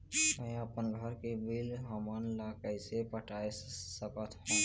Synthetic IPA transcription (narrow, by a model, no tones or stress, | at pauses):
əẽəpənɡʱəɾkibilɦəmənlakəjsepəʈaːessəkət̪ʰɦõ